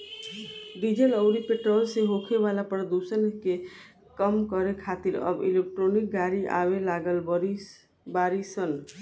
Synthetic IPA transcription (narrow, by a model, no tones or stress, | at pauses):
d̪id͡ʒələʊɾipeʈɾolseɦokʰeβalapɾəd̪usənke | kəmkəɾekʰat̪iɾə̰bḭlek̚ʈɾonik̚ɡaɾiʔa̰βelaɡəlɾi | baɾisən